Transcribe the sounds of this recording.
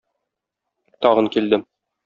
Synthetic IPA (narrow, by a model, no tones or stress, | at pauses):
t̪ɒʁɤ̆ŋkild̪ɘm